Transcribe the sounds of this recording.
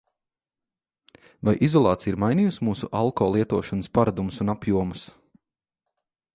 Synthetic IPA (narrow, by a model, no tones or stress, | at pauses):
vajʔizɔlˠɑːt̪sijiɾmajniːjusmuːsṵʔalˠkɔːlˠiɛt̪uɔʃanspaɾad̪umusunapjuɔmus